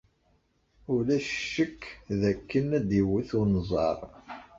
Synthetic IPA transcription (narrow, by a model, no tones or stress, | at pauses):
ʊlæʃʃːəkːðækːənæd̪iwəθunzˤɑ̰ɾˤ